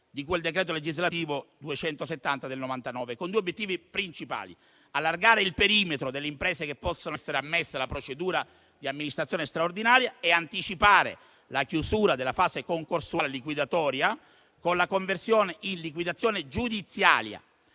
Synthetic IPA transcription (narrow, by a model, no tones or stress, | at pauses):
d̪ikuweld̪ekɾɛːt̪oled͡ʒizlat̪iːvod̪uet͡ʃɛnt̪oset̪ːant̪ad̪elnovant̪anɔːvekond̪uːeobjet̪ːiːvipɾint͡ʃipa̰ːlḭ | alːarɡaːɾeilpeɾiːmet̪ɾod̪elːeimpɾɛːsekepːɔsːonosːeɾeamːesːealapɾot͡ʃed̪uːɾa | d̪iamːinist̪ɾt̪ːjoːnest̪ɾaord̪inaːɾjaeant̪it͡ʃipaːɾḛ | lakjusuːɾad̪elːafaːsekoŋkorsuaːlelikwid̪at̪ɔːɾja | konlakoɱversjoːneʔinlik̬wid̪at̪sːjoːned͡ʒud̪it̪sːja̰ːlja̰